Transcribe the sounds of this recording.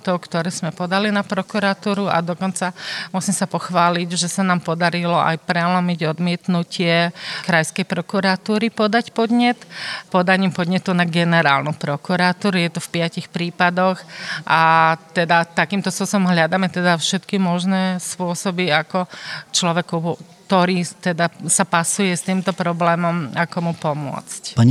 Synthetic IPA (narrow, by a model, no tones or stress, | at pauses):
t̪ɔkt̪ɔɾɛːz̥mɛpɔd̪alinapɾɔkuɾat̪uːɾuʔa̰d̪ɔkɔnt͡samusimsapɔxʋaːliɟʒɛsanaːmpɔd̪aɾilɔʔa̰jpɾɛlɔmiɟɔd̪mɪɛt̪nucɪɛkɾajskɛjpɾɔkuɾat̪uːɾipɔd̪acpɔd̪ɲɛt̪pɔd̪aɲiːmpɔd̪ɲɛt̪unaɡɛnɛɾaːlnupɾɔkuɾat̪uːɾujɛt̪ɔfpɪacixpɾiːpad̪ɔxʔat̪ɛd̪at̪akiːmt̪ɔspʊɔsɔbɔmɦlʎad̪amɛt̪ɛd̪afʃɛt̪kimɔʒnɛspʊɔsɔbiakɔt͡ʃlɔʋɛkukt̪ɔɾiːt̪ɛd̪asapasujɛst̪iːmt̪ɔpɾɔblɛːmɔmakɔmupɔmʊɔ̰t͡scpaɲ